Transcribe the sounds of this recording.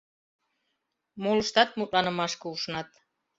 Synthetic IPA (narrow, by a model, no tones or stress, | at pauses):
moləʃt̪ɑt̪̚mut̪lɑnə̆mɑʃkəuʃnɑt̪